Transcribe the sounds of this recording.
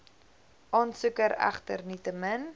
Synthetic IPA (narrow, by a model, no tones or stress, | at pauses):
ʔɑːnsukəɾæ̰χtə̰rnitəmən